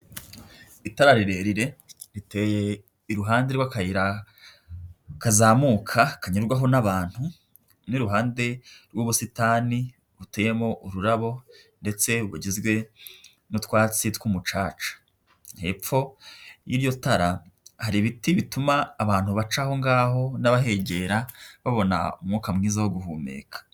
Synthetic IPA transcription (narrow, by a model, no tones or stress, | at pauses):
itaɾaɾiɾe̞ɾiɾe̞ | ɾite̞ːje̞ | iɾuɦaːnde̞ɾwakajiɾa | kazaːmuːkʰakaɲuɾɡwaɦo̞naβaːn̥hu | niɾuɦaːnde̞ɾɡuβusitaːni | ɾuteːje̞mo̞ʔuɾuɾaβo̞ | nde̞t͡se̞βuɟizɡwe̞ | nutwaːt͡sitwumut͡ʃaːt͡ʃḁ | nhe̞̰ːp͡fo̞jḭːɾjo̞taɾahaɾiβitiβitumaːβaːn̥huβat͡ʃaho̞ŋɡaːho̞naβaɦe̞ɟe̞ːɾaβaβo̞na̰umŋuːkamŋiːzawoɡuhuːmḛːkʰḁ